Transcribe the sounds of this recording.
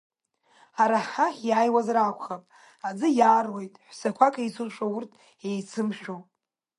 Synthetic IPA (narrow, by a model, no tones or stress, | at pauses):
aɾaħajaːjwazrakʷʰʼχapʼ | ad͡zɨjaːrwojtʼħʷsakʷʰakʰʼajt͡sʰɨʃʷaʊrtʰ | ejt͡sʰɨmʃᶣow